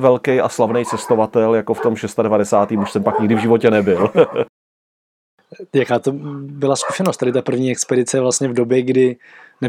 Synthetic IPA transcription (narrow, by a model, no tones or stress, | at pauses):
vɛlkɛjʔa̰slavnɛjt͡sɛst̪o̞vat̪ɛljakoft̪o̞mʃɛst̪adɛvadɛsaːt̪iːmuʃsɛmpakɲɪɡdɪvʒɪvo̞cɛnɛbɪl | jakaːt̪obɪlasku̥ʃɛnost̪adɪt̪apr̩vɲiːɛkspɛdɪt͡sɛvlast̪ɲɛvdobjɛɡdɪ | nɛ